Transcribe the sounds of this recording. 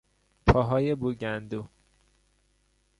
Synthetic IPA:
pʰɒːɦɒːjebuɟænd̪u

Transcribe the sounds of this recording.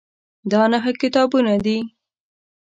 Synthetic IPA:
d̪ɑnaxakɪt̪ɑbunad̪i

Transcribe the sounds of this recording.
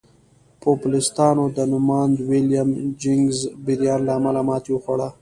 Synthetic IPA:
populɪst̪ɑːnod̪ənʊmɑːnd̪wiljamd͡ʒɪŋɡzbiɾjɑːnlaːmalamɑːt̪iwuxaɽa

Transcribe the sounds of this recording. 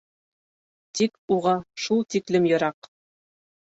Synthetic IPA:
t̪ikuʁɑʃulˠt̪iklɘmjɤ̆ɾɑq

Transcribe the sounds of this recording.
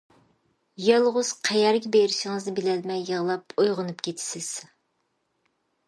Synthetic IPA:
jɑlˠʁʊz̥qʰɛjɛɾɡʲɛbeɾɪʃɪŋɨznɪbɪlɛlmɛjːəʁlˠɑpojʁʊnupkʲʰet̪ʰɪ̥sɪz̥

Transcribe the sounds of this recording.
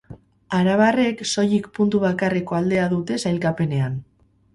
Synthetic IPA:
aɾaβare̞kso̞jikpunt̪uβ̞akare̞ko̞ald̪e̞aðut̪e̞sajlkape̞ne̞an

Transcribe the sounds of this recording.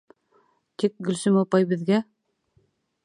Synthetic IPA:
t̪ik̚ɡɵ̆lsɘmopɑjbɘ̆ðɡæ

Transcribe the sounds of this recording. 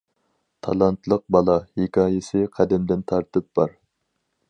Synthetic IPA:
t̪ʰɑ̰lˠɑnt̪lˠəq̚bɑlˠɑhekʲʰɑːjɪsɨqʰæd̪ɛmd̪ɪnt̪ʰɑɾt̪ɨp̚b̥ɑɾ

